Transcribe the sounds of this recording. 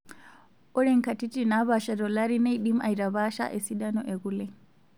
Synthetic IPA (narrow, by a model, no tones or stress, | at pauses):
ʔɔɾɛŋkatitinaβaʃadɔlaɾinajɗimajɾabaʃa̰ʔɛsidanɔʔɛɡulɛ